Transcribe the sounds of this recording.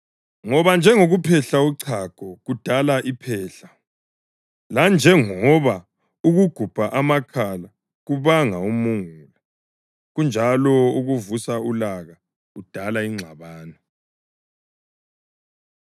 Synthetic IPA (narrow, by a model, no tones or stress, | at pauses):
ŋɔβand͡ʒʱɛŋoɣupʰɛɬauǀʰaɡ̥ʱɔɣud̥ʱalaʔipʰɛːɬa | land͡ʒʱɛŋɔβa | uɣuɡ̥ʱub̥ʱaʔamakʰala | ɣuβaŋaumuŋula | ɣund͡ʒʱalɔuɣuvusaulaɣa | ud̥ʱalaiŋ͡ǁʱaβaːnɔ